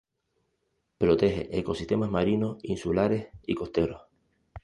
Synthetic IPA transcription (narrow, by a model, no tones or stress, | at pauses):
pɾot̪e̞ɦe̞̰ʔeko̞si̥ht̪e̞maɦmaɾinohinsulaɾe̞siko̞ht̪e̞ɾoh